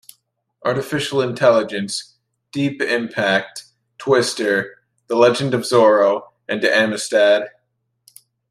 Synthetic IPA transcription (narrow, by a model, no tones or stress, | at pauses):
ʔɑɹɾɨfɪʃl̩ˠɨ̃ntʰɛlˠəd͡ʒɨ̃ns | d̥ipɪ̃mpʰæk̚t | tʰw̥ɪstə˞ | ðəlɛd͡ʒɨ̃ndʌvzɔɹoʊ | ɨ̃ndɨæmɨstæd̥